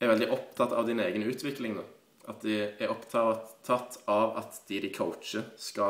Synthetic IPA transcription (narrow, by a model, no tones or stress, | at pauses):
ɛɾʋɛld̪ɪʔɔpt̪ʰɑt̪ːɑ̰ʋd̪ɪneːɡənʉːt̪ʰʋɪkːlɪŋnoː | ʔɑt̪̚d̪ɛæɾʔɔpt̪ʰɑɑt̪ːɑʋɑ̰t̪d̪̥ɪd̪ɪkʰəʊtt͡ʃəskɑ